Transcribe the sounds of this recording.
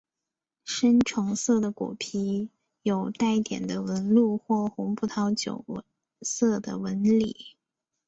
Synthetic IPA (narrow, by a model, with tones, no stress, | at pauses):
ʂə˥nʈ͡ʂʰʊ˧˥ŋsɤ˥˩d̪ə˩kṵ˨˩pʰi˧˥ | jo˨˩ʊt̪a˥˩ɪt̪jɛ̰˨˩nd̪ə˦wə˧˥nlu˥˧xwɔ˥˩xʊ˧˥ŋpu˥˩t̪ʰɑ˧˥ʊt͡ɕjo̰˨˩ʊ | sɤ˥˩d̪ə̰˩wə˧˥nlḭ˨˩˦